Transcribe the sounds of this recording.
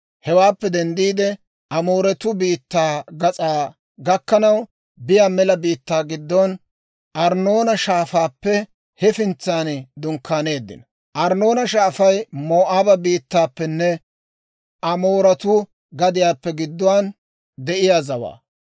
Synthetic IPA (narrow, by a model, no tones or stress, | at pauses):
hɛwaːpːɛd̪ɛnd̪iːd̪ɛ | ʔɐmo̞ːɾɐt̪ʊbiːt̪ːaːɡɐt͡sʼaː | ɡɐkːɐnɐw | bɪjaːmɛlɐbiːt̪ːaːɡɪd̪ːɔn | ʔɐɾnoːnɐʃaːfaːpːɛ | hɛfɪnt͡sːaːnd̪ʊŋkʰːaːne̞ːd̪ːɪ̰nɐ | ʔɐɾno̞ːnɐʃaːfɐjmo̞ːʔaːbɐbiːt̪ːaːpːɛnːɛ | ʔɐmoːɾɐt̪ʊ | ɡɐd̪ɪjaːpːɛɡɪd̪ːɔwaːn | d̪ɛʔɪjaːzɐwa̰ː